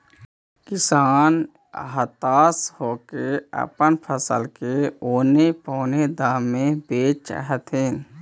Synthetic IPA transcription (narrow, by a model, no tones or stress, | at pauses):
kɪsaːn | ɦət̪aːshoːkeə̰pənpʰəsə̰lkeoːnepɔːned̪aːmːẽbeːt͡ʃt͡ʃa̰ɦɛt̪ɦeːn